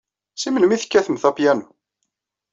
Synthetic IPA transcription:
simənəmiθə̥kːæθəmθɑpjænu

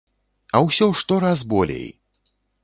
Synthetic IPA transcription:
ɐwsʲɔʂt̪ɔɾazbɔlʲḛj

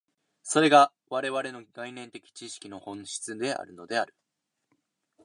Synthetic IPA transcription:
so̞ɾe̞ɡa | βaɾe̞βaɾe̞no̞ɡainẽ̞nt̪e̞kʲi̥t͡ɕiɕi̥kʲino̞hõ̞ɰ̃ɕi̥t͡sɨd̪e̞ʔa̰ɾɯ̟no̞d̪e̞aɾɯ̟

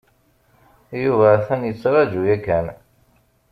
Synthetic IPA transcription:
juvæθænjət͡sːɾˤɑd͡ʒujækːæn

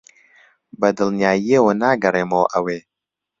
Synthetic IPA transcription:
bɐd̪ɨlˠnjaːjiewɐnaːɡɐreːmowʔɐweː

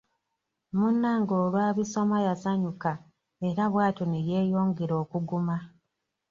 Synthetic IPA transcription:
munːaŋɡo̞ːlwaːβiso̞majasaɲuka | e̞ɾaβwaːtoneje̞ːjo̞ːŋɡeɾo̞ːkuɡuma

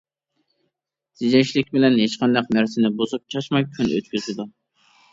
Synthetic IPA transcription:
z̥ɪd͡ʒɛŋʃlɪkʲbɪlɛnɦeʃqɑnd̪ɑqnæɾsɪnɪbozup̚t͡ʃʰɑʃmɑjkʲʰynø̰t̪kʲʰyzɪd̪u

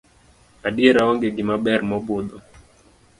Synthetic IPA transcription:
adieɾaɔŋɡeɡɪmabɛrmɔbʊd̪ɔ

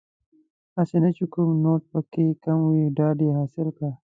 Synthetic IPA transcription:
asenat͡ʃekumnoʈ̚pəkekamwiɖɑɖeɦɑsɪlkɽa

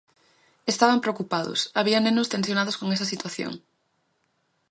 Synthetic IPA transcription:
est̪aβampɾeokupaðʊ̰saβiɐnenʊst̪ensjonaðoskoŋes̬ɐsit̪waθjo̰ŋ

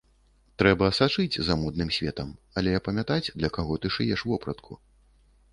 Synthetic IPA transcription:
t̪ɾɛbɐːsat͡ʂɨd͡zʲzamɔd̪̚nɨmsʲvʲɛt̪ɐm | ɐlʲɛjɐpɐmʲat̪ad͡zʲd̪lʲɐkaɣɔt̪ɨʂɨjɛʂvɔpɾɐt̪kʰṵ

